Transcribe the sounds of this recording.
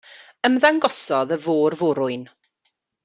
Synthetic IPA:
əmðaŋɡɔsɔðəvoːrvʊɾʊɨn

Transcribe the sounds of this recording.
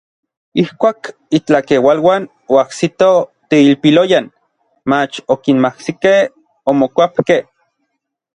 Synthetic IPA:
ihkʷaːk | it͡ɬakewalwaːn | oaksit̪ot̪eilpilojan | mat͡ʃokinmahsikeh | omokʷapkeh

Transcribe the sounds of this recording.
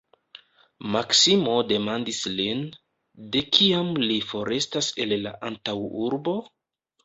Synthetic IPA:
maksimo̞de̞mandislin | de̞kʰiamlifo̞ɾe̞stase̞lːa̰ʔantawuɾbo̞

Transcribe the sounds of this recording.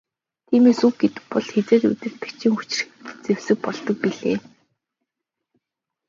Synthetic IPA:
t̪ʰiːmeːsuw̚ɡet̪ɘ̆k̚pɔɮxet͡seːtṵt̪ɘ̆rt̪ɘ̆kt͡ɕʰiːŋxut͡ɕɪ̆r̆xt͡sewsɘ̆k̚pɔɮt̪ɞ̆k̚piɮeː

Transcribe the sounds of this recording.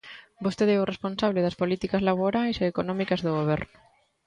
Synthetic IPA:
bost̪eðɛorespõnsaβ̞leðɐspolit̪ikazlaβoɾajseːkonɔmikɐzðoɣoβ̞ɛɾnʊ

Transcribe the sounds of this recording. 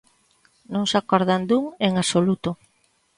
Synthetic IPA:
nõŋsakoɾðand̪uŋeŋasolut̪o

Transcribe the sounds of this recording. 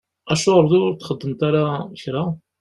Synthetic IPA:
æʃuɾˤd̪uɾt̪χəd̪ːəmt̪æɾaçɾæ

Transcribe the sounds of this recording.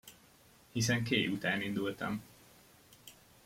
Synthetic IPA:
hisɛŋkeːjut̪aːnind̪ult̪ɛ̰m

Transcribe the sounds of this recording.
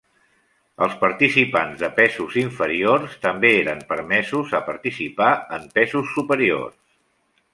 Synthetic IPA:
ə̰lˠspəɾt̪isipanzðəpɛzuziɱfəɾiorst̪əmbeeɾəmpəɾmɛzuzəpəɾt̪isipaəmpɛzusːupəɾio̰rs

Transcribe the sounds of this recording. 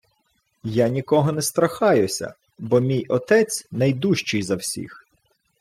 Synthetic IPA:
janʲikɔɦɔnɛst̪ɾɐxɑjʊsʲɐ̰ | bɔmʲijɔt̪ɛt͡sʲnɐjd̪uʃt͡ʃɪjzɐwsʲḭx

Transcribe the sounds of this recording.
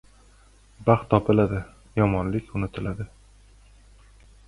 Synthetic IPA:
baχt̪ʰːɒpɪlad̪ɪ | jɒmɒnlɪkʲʊnɪt̪ʰɪlad̪ɪ

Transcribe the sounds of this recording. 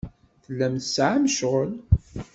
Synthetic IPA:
θəlːæmθəsʕamʃʁəl

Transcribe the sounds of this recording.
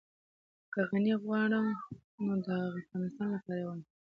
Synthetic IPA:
kəɣaniɣwɑɽə | nod̪əafɣɑnɪst̪ɑnlapɑɾawani

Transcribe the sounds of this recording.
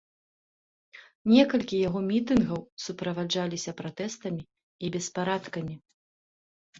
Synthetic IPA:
nʲɛkɐlʲkʲijaɣɔmʲit̪ɨnɣɐwsupɾɐvad͡ʐalʲisʲɐpɾat̪ɛst̪ɐmʲi | ibʲɛspaɾat̪kɐmʲi

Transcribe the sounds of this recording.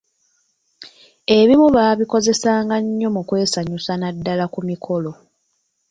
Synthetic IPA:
e̞βimuβaːβiko̞ze̞saːŋɡaɲːo̞mukwe̞ːsaɲusanadːalakumikʰo̞lo̞

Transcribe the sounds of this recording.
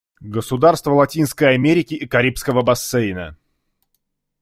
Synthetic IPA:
ɡəsʊd̪arst̪vəlˠɐtʲinskəjɐmʲeɾʲɪkʲɪʔːkɐɾʲipskəvəbɐsːejnə̰

